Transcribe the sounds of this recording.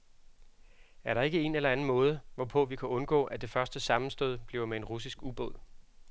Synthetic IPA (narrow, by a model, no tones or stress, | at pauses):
æɐɾɑ̈e̝ɡ̥əe̝nelɐæn̩mɔ̽ːð̞ˠəʋɒpʰɔ̽ʋikʰæɔ̽nɡ̥ɔ̰̽ːʔæd̥e̝fɶɐsd̥əsɑ̈mn̩sd̥ɔ̰ð̞ˠb̥liʊmee̝nʁusisɡ̥ub̥ɔð̰ˠ